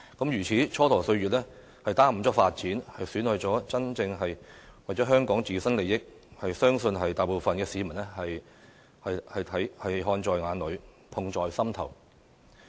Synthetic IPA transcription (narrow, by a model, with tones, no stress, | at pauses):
kɐ˨˥mjyː˨˩t͡sʰiː˨˥t͡ʃʰɔː˥t̪ʰɔː˨˩ŋsɵ˧ɥyː˨t̚lɛː˥ | hɐ˨jt̪aː˥m̩˨˩t͡sɔː˥kfaː˧t̚t͡siː˨˥nhɐ˨jsyː˨˥nhɵ˨˧t͡sɔː˨˥t͡sɐ˥nt͡sɪ˧ŋɦɐ˨jwɐ˨t͡sɔː˨˥ɦœː˥ŋkɔː˨˥ŋt͡siː˨˩sɐ˥nle˨˧jɪ˥k̚ | hɐ˨jsœː˥ŋsɵ˧nɦɐ˨jt̪aː˨jpo˨wfɐ˨nkɛː˧siː˨˧mɐ˨˩nɛː˥hɐ˨j | hɐ˨jhɐ˨jt̪ʰɐ˨˥jhɐ˨jɦɔː˧nt͡sɔː˧jŋaː˨˧nlɵ˨˧ɥ | p̪ʰʊ˨˧ŋt͡sɔː˨jsɐ˥mt̪ʰɐ̰˨˩w